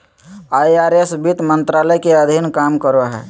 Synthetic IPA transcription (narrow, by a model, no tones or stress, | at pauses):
ajaɾesbit̪mənt̪ɾaləjkeəd̪ʱinkamkəɾoɦɛ̰